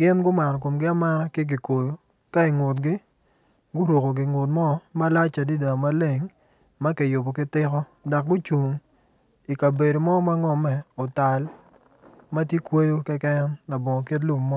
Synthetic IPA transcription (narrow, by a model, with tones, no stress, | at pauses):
ɡɪ˦nɡʊ˦ma˨nɔ˨k̬o˨mɡɪ˦a˦ma˦ɾa˦kɪ˦ɡ̬ɪ˨ko˨jo˨ | ka˦i˨ŋʊ˨t̬ɡɪ˦ | ɡʊ˦ɾo˨ko˨ɡɪ˨ŋo˨t̬̚mɔ˦ma˦la˦t͡ʃa˨di˦da˨ma˦le˨ŋ | ma˦kɛ˨jo˨bo˨kɪ˦tɪ˦kɔ˦da˨k̚ɡʊ˦t͡ʃu˨ŋ | i˨ka˨be˨do˨mɔ˦ma˦ŋɔ˦mɛ˨ɔ˨ta˨l | ma˦tje˦kwo˦jo˦kɛ˦kɛ˦nla˨bɔ˨ŋɔ˨k̬e˦t̬lu˦mmɔ˦